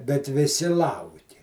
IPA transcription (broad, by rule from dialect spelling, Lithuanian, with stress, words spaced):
bʲɛt ʋʲɪˈsʲɪ ˈlˠɐʊkʲɪ